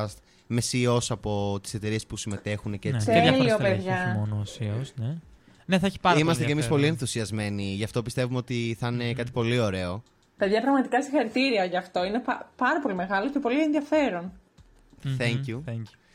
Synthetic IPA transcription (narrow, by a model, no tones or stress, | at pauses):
st̪ | me̞sio̞sɐpo̞t̪i̥se̞t̪e̞ɾie̞spusime̞t̪e̞xuneceet̪eɐliopeðʝɐmonosiosne | neθɐeçi̥pɐimɐst̪ecemispo̞lie̞nθusiɐzme̞niʝɐft̪o̞pist̪e̞vumeot̪iθɐine̞kɐt̪i̥po̞lio̞ɾe̞o̞ | peðʝɐpɾɐɣmɐt̪ikɐsixɐɾit̪iɾiɐoʝɐːft̪o̞ine̞pɐpɐɾɐpo̞lime̞ɣɐloce̞po̞lienðiɐfe̞ɾo̞n | θɛɲcuθɛu